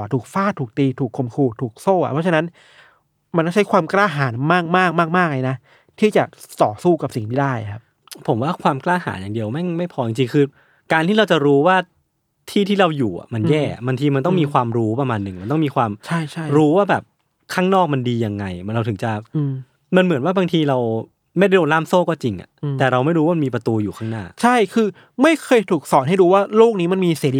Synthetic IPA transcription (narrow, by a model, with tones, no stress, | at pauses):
t̪ʰuː˨˩k̚faː˥˩t̪ʰuː˨˩k̚t̪iː˧t̪ʰuː˨˩kʰːo˧mkʰuː˧˩t̪ʰuː˨˩k̚soː˥˩ʔa̰˨pʰɔ˦˥t͡ɕʰa˧na˦˥n | ma˧nkɔ˥˩t͡ɕa˦˥jkʰwaː˧mklaː˥˩ɦaː˩˦nmaː˥˩k̚maː˥˩k̚maː˥˩k̚maː˥˩k̚la˧jna˦˥ | t̪ʰiː˥˩t͡ɕa˨˩t̪ɔː˨˩suː˥˩ka˨˩p̚si˨˩ŋtmʰiː˦˥˩daː˥˩jkʰa˦˥p̚ | pʰo˨˩˦mwaː˥˩kʰwaː˧mklaː˥˩ha̰ː˩˦njaː˨˩ŋdi˧əwma˥˩jma˥˩jpʰɔː˧t͡ɕi˨˧ŋt͡ɕi˧ŋkʰɯː˧ | kaː˧nt̪iː˥˩ɾa˧wt͡ɕa˨˩ɾuː˦˥waː˥˩ | t̪ʰiː˥˩t̪ʰiː˥˩ɾa˧wjuː˨˩ʔa̰˩ma˧njɛː˥˩a̰˨˩baː˧ŋt̪ʰiː˧ma˧nt̪ɔ˥˩ŋmiː˧kʰwaː˧mɾuː˦˥pɾa˧maː˧nːɯ˨˩ŋma˧nt̪ɔ˥˩miː˧kʰwaː˧mt͡ɕʰa˥˩jt͡ɕʰa˥˩ɾuː˦˥waː˥˩bɛː˨˩p̚ | kʰaː˥˩ŋnɔː˥˩k̚ma˧ndiː˧ja˧ŋːa˧jɾa˧wt̪ʰɯ˩˦ŋt͡ɕa˨˩˧ | ma˧nmɯ˩˦nwaː˥˩baː˧ŋt̪ʰiː˧ɾa˧w | ma˥˩jda˥˩oː˧nlaː˥˩msoː˥˩kɔː˥˩t͡ɕi˧ŋʔa̰˨˩t̪ɛː˨˩ɾa˧wma˥˩jɾuː˧˦aː˥ma˧miː˧pɾa˧t̪uː˧juː˨˩kʰaː˥˩ŋnaː˥˩t͡ɕʰa˥˩jkʰɯː˧ | ma˥˩jkʰɤː˧jt̪ʰuː˨˩k̚sɔː˩˦nha˥˩jduː˧waː˥˩loː˥˩k̚niː˦˥ma˧nmiː˧siː˨˩˦li˧